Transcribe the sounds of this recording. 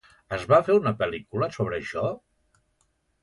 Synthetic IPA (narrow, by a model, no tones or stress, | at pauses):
əzβafeunəpəlikuləsoβ̞ɾəʃɔ